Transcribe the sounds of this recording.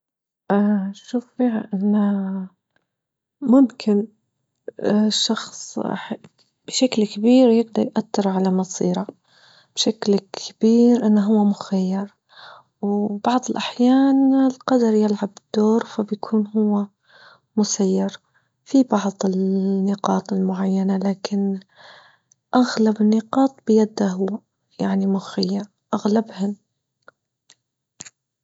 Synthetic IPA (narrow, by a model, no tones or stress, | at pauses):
ʔaʃuːffiːɦaʔɪnːa | mʊmkʰɪn | ʃːɑxsˤħ | b̥ʃaklkabiːɾjɪɡ̚d̪ɑɾjʔat̪ːɪɾˤʕalamɑsˤiːɾɑ | b̥ʃaklkʰab̥iːɾʔɪnːɦʊwːamʊxajːɑɾ | wbɑʕðˤɪlʔaħjaːnɪlqɑd̪ɑɾjɪlʕabɪd̪̥ːoːɾfabjkʰuːnɦʊwːa | mʊsajːɑɾ | fibɑʕðˤɪlnːɪqɑːt̪ˤɪlmʊʕajːanalaːkɪn | ʔaɣlabɪnːɪqɑːt̪̚ˤbɪjad̪ːaɦʊ | jaʕnimʊxajːaɾ | ʔaɣlabhɪn